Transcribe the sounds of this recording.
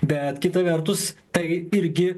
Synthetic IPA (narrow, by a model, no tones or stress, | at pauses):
bʲɛt̪kʲɪt̪ɐʋʲɛɾt̪ʊst̪ɐɪɪɾʲɡʲɪ